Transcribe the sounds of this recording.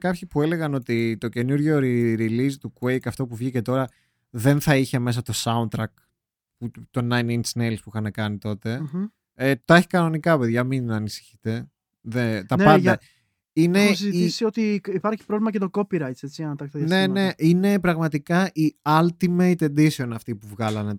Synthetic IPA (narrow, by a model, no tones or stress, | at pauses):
kɐpçipue̞le̞ɣɐno̞t̪it̪o̞ce̞nuɾʝo̞ɾiɾilizt̪ukuejkɐft̪o̞puvʝice̞t̪o̞ɾɐ | ðe̞nθɐiçeme̞s̬ɐt̪o̞sɐunt̪ɾɐk̚ | put̪o̞nɐjninsnelspuixɐnɐkɐnit̪o̞t̪e̞ | et̪oeçi̥kɐno̞nikɐpe̞ðʝɐminɐnisi̥çi̥t̪e̞ | ðet̪ɐpɐnd̪ɐ | inesziisio̞t̪iipɐɾçi̥pɾovlimɐcet̪okopiɾɐjt̪se̞t͡siɐnɐt̪ɐkst̪ɐðjɐne̞ne̞ʔine̞pɾɐɣmɐt̪ikɐʔiɐlt̪imeit̪e̞nd̪isio̞nɐft̪ipuvɣɐlɐne̞